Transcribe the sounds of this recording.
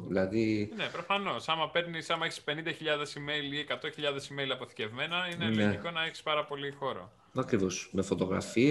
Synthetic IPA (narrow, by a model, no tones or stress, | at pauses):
ðilɐðine̞pɾo̞fɐno̞sɐmɐpe̞ɾnisɐmɐeçi̥spe̞nind̪ɐçiʎɐðe̞sime̞liekɐt̪o̞çiʎɐðe̞simejlɐpo̞θi̥ce̞vme̞nɐineleikonɐe̞çi̥spɐɾɐpo̞lixo̞ɾo̰ | ɐkɾivosmefot̪o̞ɣɾɐ̰fiɐ